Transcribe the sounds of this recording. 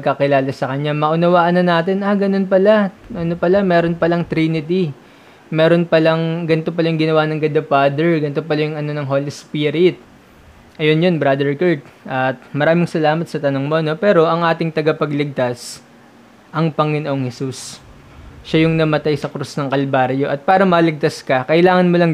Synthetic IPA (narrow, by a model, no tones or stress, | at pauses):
pɐɡ̚kɐkɪlaːlɐsɐkɐɲamɐʔʊnɐwaːʔɐnɐnaːt̪ɪnʔɐɡɐno̞npɐlaʔɐno̞pɐlamɛːɾo̞npɐlɐŋt̪ɾiːnɪt̪̬i | mɛːɾo̞npɐlɐŋɡɐnɪt̪o̞pɐlajʊŋɡɪnɐwaːnɐŋɡɐd̪ɐpad̪ɛɹɡɐnɪt̪o̞pɐlajʊŋɐno̞nɐŋɦoːlispiɾɪt̪̚ | ʔɐjo̞njo̞nbɾad̪ɛɹkɐɹt̪̚ʔɐt̪̚mɐɾaːmɪŋsɐlaːmɐt̪sɐt̪ɐnoŋmo̞no̞pɛːɾo̞ʔɐŋʔaːt̪ɪŋt̪ɐɡɐpɐɡlɪɡ̚t̪ɐs | ʔɐŋpɐŋɪnoʔo̞ŋhɛsus | ʃajʊŋnɐmɐt̪ajsɐkɾusnɐŋkɐlbaːɾjo̞ʔɐt̪̚paːɾɐmɐlɪɡ̚t̪ɐskɐkɐʔɪlaːŋɐnmolɐŋ